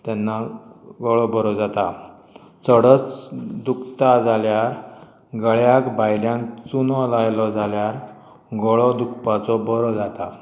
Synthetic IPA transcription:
t̪ɛnːaɡɔɭɔbəɾɔd͡zat̪a | t͡səɽət͡sd̪ukt̪ad͡zaljaɾ | ɡəɭjakbajljãnt͡sunɔlajlɔd͡zaljaɾ | ɡɔɭɔd̪ukpat͡sɔbəɾɔd͡zat̪a̰

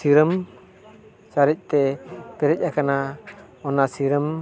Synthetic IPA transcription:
siɾəm | t͡ʃaɾic̚t̪ɛpɛɾɛc̚akana | ɔnasiɾəm

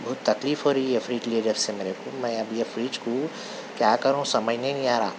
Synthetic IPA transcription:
bʊːt̪ːɐkliːfɦoɾɐiiefɾiːd͡ʒleːɖəɾsemeːɾekomɛ̃ɐbʱiefʰɾiːt͡ʃku | kjaːkəɾõsɐməd͡ʒʱnenĩaːɾaː

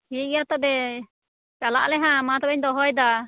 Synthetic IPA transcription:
hit̪̚at̪ɔbɛ | t͡ʃalaʔlɛɦãmat̪ɔbɛɲd̪ɔɦɔjd̪a

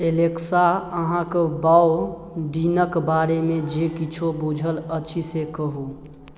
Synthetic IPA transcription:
eleksaəɦãkbao | ɖinəkbaɾemed͡ʒekit͡ʃʰobud͡ʒʱələt͡ʃʰisekəɦu

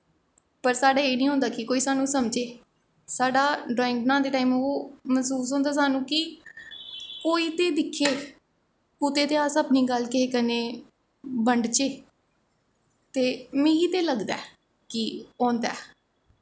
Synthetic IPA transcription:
pəɾsaːɖaːeːnĩːɦõːnd̪aːkɪkoːiːsaːnũːsəmd͡ʒeː | saːɖaːɖɔːɪ̃ŋɡnãːd̪eːʈaːiːmoːməsuːs̬ɦõːnd̪aːs̬aːnũːkɪ | koːiːt̪eːd̪ɪkʰːeː | ʊt̪eːt̪eːaːsəpniːɡəlkeeːkəneː | bəɳɖt͡ʃeː | t̪eːmẽiːt̪eːləɡd̪a̰ː | kɪɔ̃ːnd̪a̰ː

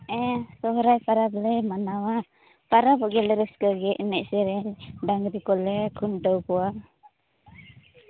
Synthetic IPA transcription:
ɛsɔɦɾajpaɾablɛmanawa | paɾabɔɡɛlɛɾɛskəɡɛʔnɛʔsɛɾɛɖaŋɡɾikɔlɛkʰunʈɔwkɔwa

